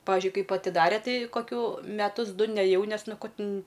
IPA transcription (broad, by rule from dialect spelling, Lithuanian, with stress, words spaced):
ˈpɑːʋʲɪʒʲʊɪ ˈkɐɪp ɐtʲɪˈdɑːrʲɛ ˈtɐɪ koːˈkʲuː mʲɛˈtʊs ˈdʊ nʲɛˈjɛʊ ˈnʲɛs ˈnʊ ˈkoː ˈtʲɪn